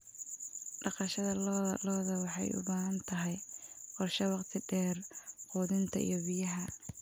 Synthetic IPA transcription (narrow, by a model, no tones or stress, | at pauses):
ɖɑqɑʃɐðɐlɔːðɐwɑħɑjʊ̰baːɦɐnt̪ʰɐɦɛjqɔrʃɐwɑqt̪ʰɪɖɛːrqɔːðɪnt̪ʰɐḭjɞbɪjɐɦɐ